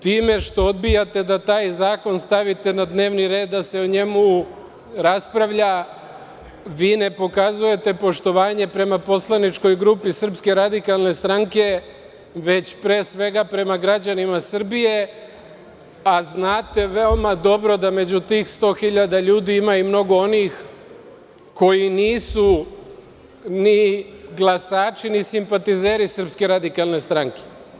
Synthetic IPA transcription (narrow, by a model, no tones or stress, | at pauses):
t̪iːme̞ʃt̪o̞od̪bijat̪e̞d̪at̪aːjzaːko̞nst̪aʋit̪e̞nad̪ne̞ːʋniɾe̞ːd̪ːase̞oɲe̞mu | ɾaspɾaʋʎa | ʋiːne̞po̞kazuje̞t̪e̞po̞ʃt̪o̞ʋaːɲe̞pɾe̞mapo̞slˠanit͡ʃko̞jɡɾupisr̩pske̞ɾad̪ikalˠne̞st̪ɾaŋke̞ | ʋe̞t͡ɕpɾe̞ːsʋe̞ɡapɾe̞maɡɾad͡ʑanimasr̩bije̞ | aznaːt̪e̞ʋe̞o̞mad̪o̞bɾo̞d̪ame̞d͡ʑut̪iːxst̪o̞ːxiʎad̪aʎuːd̪iimaumno̞ɡo̞o̞niːx | ko̞jiniːsu | niɡlˠasaːt͡ʃinisimpat̪ize̞ːɾisr̩pske̞ɾad̪ikalˠne̞st̪ɾaŋke̞̥